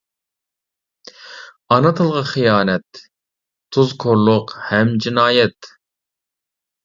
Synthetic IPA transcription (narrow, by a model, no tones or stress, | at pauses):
ɑnɨt̪ʰɨlˠʁɑχijɑːnɛt̪ʰː | uzkʰoɾlˠʊqhɛmd͡ʒinɑːjɛt̪